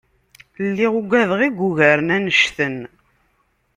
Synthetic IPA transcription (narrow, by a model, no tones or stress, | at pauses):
lːiʁuɡʷæðʁiɡʷːuʝæɾənænəʃθən